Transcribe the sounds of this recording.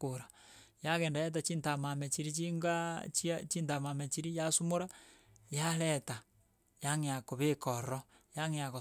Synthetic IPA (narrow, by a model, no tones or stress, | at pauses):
oɾa | jaɣɛndajet̬at͡ʃintamamet͡ʃiɾit͡ʃiŋɡat͡ʃat͡ʃintamamet͡ʃiɾijasumoɾa | jalɛta | jaŋeakoβekɔɾɔ | jaŋejako